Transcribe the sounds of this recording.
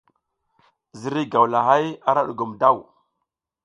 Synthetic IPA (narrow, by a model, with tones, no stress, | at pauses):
zi˨˦ɾi˦ɡa˨wla˨ɦa˦ja˦ɾa˦ɗu˨ɡu˨mda˦˨w